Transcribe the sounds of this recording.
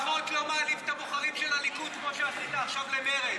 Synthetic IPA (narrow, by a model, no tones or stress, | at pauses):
ot̪lomalift̪amuχalimʃelalikutkmoʃeasit̪aːχʃavlemeʁe